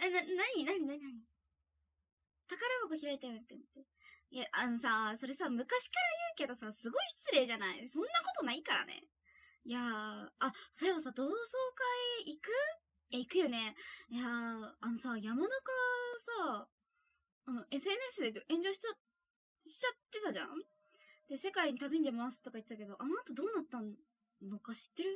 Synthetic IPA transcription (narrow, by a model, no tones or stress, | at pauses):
ananaɲ̟inaɲ̟inaɲ̟inaɲ̟i | t̪akaɾaβakoçiɾait̪ant̪ːent̪ːe | jaʔano̞saso̞ɾe̞samɯ̟kaɕi̥kaɾajɯ̟ːke̞d̪o̞sasɨɡo̞iɕt͡sɨɾe̞ːʑanaḭsõ̞nːako̞t̪o̞naikaɾa̰nḛ | jaasoɾeβasaːd̪o̞ːso̞ːkaeikɯ̟ | eikɯ̟jo̞ne̞jaːno̞sajamanakasa | no̞ʔe̞sɨe̞n̟esɨd̪e̞s̬joʔẽ̞ɲ̟d͡ʑo̞ːɕi̥ | ɕi̥t͡ɕat̪ːe̞t̪aʑã̰ | d̪̥e̞se̞kaiɲ̟it̪abiɲd̪emasɨ̥t̪o̞kait̪ːet̪ake̞d̪o̞ʔanoat̪o̞d̪o̞ːnat̪ːãn | nːo̞kaɕi̥t̪ːe̞ɾɯ̟